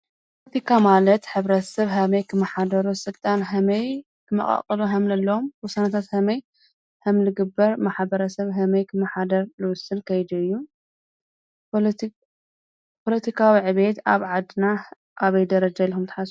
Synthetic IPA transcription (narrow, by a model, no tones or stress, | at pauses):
ppʰolɐt̪ʰikʰamalɐt̪ħɨβɾɐt̪ɐsɐβɦɐmɐjkʰɨmːɐħad̪ɐɾusɨlt̪ʼanɦɐmɐj | kʰɨmɐ̰χʼɐ̰qʼɐluɦɐmlɐlːɐomwʊsanɐt̪ʰat̪hɐmɐj | hɐmlɨɡɨbːɐɾmaħbɐɾɐsɐβɦɐmɐjkʰɨmːɐħad̪ɐɾlɨwʊsɨnkʰɐjd̪uɨjːu | pʰolɐt̪ʰikʰawiʕɨβe̞t̪aβʕad̪ɨna | ʔaβɐjd̪ɐɾɐd͡ʒalːxumt̪ʰħas